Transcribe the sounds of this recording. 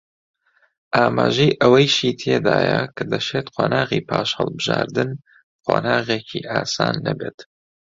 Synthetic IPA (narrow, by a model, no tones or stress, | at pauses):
ʔaːmaːʒejʔəwɐjʃiːt̪ʰeːd̪aːjɐkʰɐd̪ɐʃeːt̪qʰoːnaːʁiːpʰaːʃhɐlˠbɨʒa̰ːɾd̪ɨn | qʰoːnaːɣeːcʰiʔaːsaːnːɐbeːt̪